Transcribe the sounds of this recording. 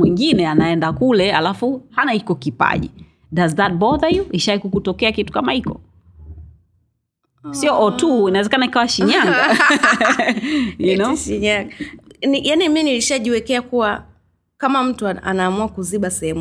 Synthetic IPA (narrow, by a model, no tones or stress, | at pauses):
wiŋɡinɛanaɛndakulɛalafuhanaikɔkipa̰ʄḭ | dazðat̚bɔðəjuʔiʃawikukutɔkɛakitu̥kamaikɔ̰ | siɔʔɔtuinawɛzɛkanaikawaʃiɲaŋɡa | junɔʃiɲaŋɡanijaniminiliʃaʄiwɛkɛakuwa | kamam̩tuaa̰naːmuakuziɓasɛhɛmu